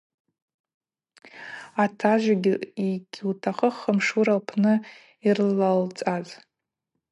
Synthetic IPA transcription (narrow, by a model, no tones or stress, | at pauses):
atʰaʒʷaɡʲiiɡʲwtʰaχəχːəmʂuɾalpʰnɨ | irlalt͡sʼaz